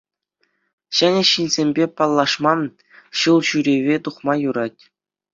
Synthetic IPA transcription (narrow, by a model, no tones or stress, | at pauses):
ɕɘ̆nʲɘ̆ɕinʲzʲemʲbʲepɑlˠːɑʂmɑn | ɕɯlˠɕyɾʲeʋʲet̪uχmɑjuɾɑtʲ